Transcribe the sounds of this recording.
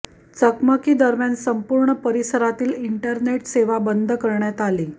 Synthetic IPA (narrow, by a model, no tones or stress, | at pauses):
t͡səkməkiːd̪əɾmjansəmpuɾɳəpəɾisəɾat̪iːliɳʈəɾneʈseʋabənd̪ʱkəɾɳjat̪aliː